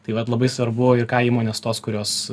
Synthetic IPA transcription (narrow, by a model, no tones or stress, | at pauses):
t̪ɐɪʋɐt̪lˠɐbɐɪsʋɐɾbʊɪrkɑːiːmoːnʲeːst̪oːskʊɾʲoːs